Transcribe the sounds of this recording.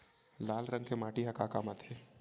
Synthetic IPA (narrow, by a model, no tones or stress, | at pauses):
laːlɾɐ̃ŋɡkemaːʈiɦɐkaːkamat̪eː